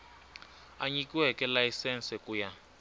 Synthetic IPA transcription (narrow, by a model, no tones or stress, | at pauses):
aɲikiwɛkɛlajisɛnsɛkʼuja